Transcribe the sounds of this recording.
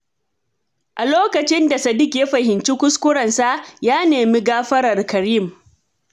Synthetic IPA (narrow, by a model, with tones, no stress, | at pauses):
ʔa˨loː˦kɐ˨t͡ʃɪ˦nda˨sɐ˨dɪ˦kʲje˦ɸɐ˨ɦɪ˨nt͡ʃi˦kʷʊ˦skʷʊ˦ɾɐ˨nsa˦ʔjaː˦neː˨mi˦ɡaː˦ɸɐ˦ɾɐ˨rkɐ˨ɾiː˦˨m